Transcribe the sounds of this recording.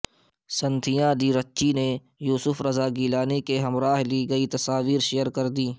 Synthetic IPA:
sɐ̃nt̪ʰijãd̪iːɾɐtːʃine | juːsʊfɾɐzaːɡiːlaːnikeɦɐmɾaːɦliɡɐit̪ɐsaːʋiːɾʃejəɾkɐɾd̪iː

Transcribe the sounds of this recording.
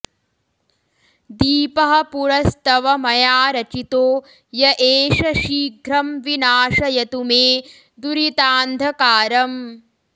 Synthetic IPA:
d̪iːpɐɦɐ̆puɾɐst̪ɐʋɐmɐjaːɾɐt͡ʃit̪oː | jɐʔeːʃɐʃiːɡʱɾɐmʋinaːʃɐjɐt̪umeː | d̪uɾit̪aːnd̪ʱɐkaːɾɐm

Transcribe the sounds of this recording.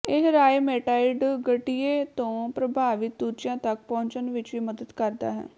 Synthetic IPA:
eɦɾaːjmeːʈaːɪɖɡəʈieːt̪õːpɾəbʱaːʋɪt̪̚d̪ut͡ʃjãːt̪ək̚pɔ̃ːɲt͡ʃənʋɪt͡ʃʋiːməd̪əd̪kəɾd̪a̰ːɦɛ̰ː

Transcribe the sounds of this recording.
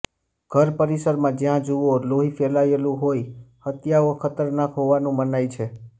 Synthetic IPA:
ɡ̥ʱəɾpəɾisəɾmãd͡ʒjãd͡ʒuʋoloɦifɛlaelũɦojhət̪jaokʰət̪əɾnakɦoʋanũmənajt͡ʃʰe

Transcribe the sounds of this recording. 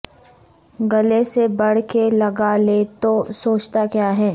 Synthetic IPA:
ɡɐlesebɐɽ̤kelɐɡalet̪osoːt͡ʃt̪akjaːɦɛː

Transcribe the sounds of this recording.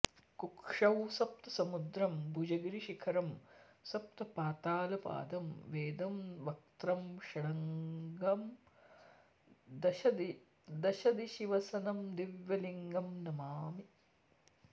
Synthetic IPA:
kukʂɐwsɐp̚t̪ɐ̥sɐmud̪ɾɐmbud͡ʒɐɡɾiʃikʰɐɾɐmsɐp̚t̪ɐpaːt̪aːlɐpa̰ːd̪ɐmʋeːd̪ɐmʋɐk̚t̪ɾɐmʃɐɽɐŋɡɐm | d̪ɐʃɐd̪i | d̪ɐʃɐd̪iʃiʋɐsɐnɐmd̪iʋjɐliŋɡɐmnɐmaːmi

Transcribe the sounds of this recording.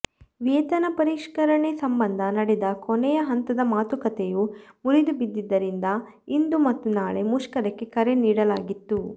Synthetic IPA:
ʋeːt̪ɐnɐpɐɾiʂkɐɾɐɳesɐmbɐnd̪ʱɐnɐɽɛd̪ɐkonɛjɐɦɐnt̪ɐd̪ɐmaːt̪ukɐt̪ejumuɾid̪ubid̪ːid̪ːɐɾind̪ɐ | ind̪umɐt̪ːunaːɭe̞muʂkɐɾɛkːe̞kɐɾeniːɽɐlaːɡit̪ːu

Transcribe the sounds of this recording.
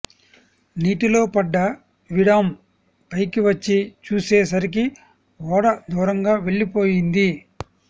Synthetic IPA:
niːʈilo̞ːpɐɖːɐ | ʋiɽɐm | pɐjkiʋɐt͡ʃːit͡ʃuːseːs̬ɐɾik̬i | ɔːɽɐd̪uːɾɐŋɡaːʋe̞ɭːipo̞ːjind̪i

